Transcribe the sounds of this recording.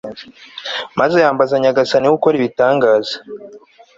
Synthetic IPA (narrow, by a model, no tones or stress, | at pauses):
mazejaːmbazaɲaɡasaniwukoɾiβitaːŋɡaːza